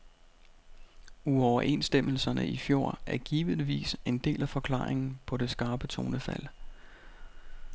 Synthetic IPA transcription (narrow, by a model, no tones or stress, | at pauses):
uɒʊɐʔe̝nsd̥em̰l̩sɐnə̰ifjo̝ːɐ̰ʔæɐɡ̥iːʋiðˠʋḭːse̝nd̥e̝̰ːlæfɒ̽kʰlɑ̰̈ːʁeŋn̩pʰɒ̽d̥e̝sɡ̥ɑ̈ːb̥ət͡sʰo̝ːnəfæl̰